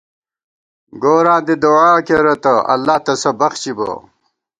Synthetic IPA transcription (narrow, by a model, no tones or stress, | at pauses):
ɡoːɾãːd̪ed̪oaːkeɾɐt̪ɐʔɐ̰lːaːht̪ɐsɐbɐxt͡ɕibɐ̰